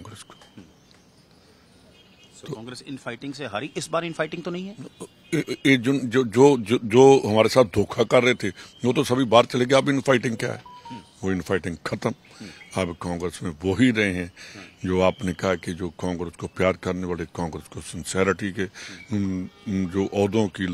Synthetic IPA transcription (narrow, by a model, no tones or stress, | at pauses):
ŋɡɾsk | t̪õŋɡɾsɪnfaːɪʈɪ̃ŋɡseɦaɾiʔɪsbaːɾɪ̃nfaːɪʈɪ̃ŋɡt̪onɐɦĩɦɛː | ed͡ʒood͡ʒoːd͡ʒoːɦɐmaːɾesaːt̪̚ʰd̪ʱoːkʰakɐɾːəet̪ʰeʋoːt̪osɐbʱibaːt̪t͡ʃɐlekeaːpɪ̃nfʰaːɪʈɪ̃ŋɡ̚kja̰ːɦɛː | ʋoːɪ̃nfʰaːɪʈɪ̃ŋɡkʰɐt̪əm | aːpkãːŋɡɾəsmẽʋoɦiɾɐɦeɦɛ̃ːd͡ʒoːaːpnekɐɦaked͡ʒoːkãːŋɡɾəskopɪjaːɾkɐɾneʋaːlekãːŋɡɾəskosɪnsɛːɾɪʈikeː | d͡ʒoːʔɔːd̪õki